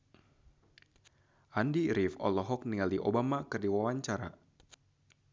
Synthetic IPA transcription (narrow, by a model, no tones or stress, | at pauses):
ʔandiɾifɔ̰lɔɦɔk̚niŋaldiʔobamakɨrdiwawaɲt͡ʃaɾa̰